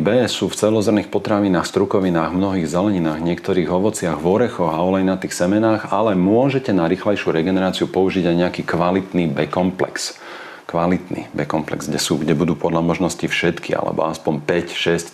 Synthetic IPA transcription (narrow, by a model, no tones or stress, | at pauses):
bɛːsuːft͡sɛlɔzɔrɾnixpɔt̪ɾaʋinaːxst̪ɾukɔʋinaːɣvmnɔɦiːɣzɛlɛɲinaːɣɲɪɛkt̪ɔɾiːɣɔʋɔt͡sɪaɣʋɔɾɛxɔɣaɔlɛjnat̪iːxsɛmɛnaːɣalɛmʊɔʒɛcɛnaɾixlɛjʃjuɾɛɡɛnɛɾaːt͡siupɔuʒiɟajɲɛakiːkʋalit̪nibɛkɔmplɛ̰ks | kʋalit̪nḭbɛkɔmplɛ̰ɡzɡɟɛsuːɡɟɛbud̪uːpɔd̪lamɔʒnɔscifʃɛt̪kia̰lɛ̰bɔ̰aspɔmpɛcʃɛsc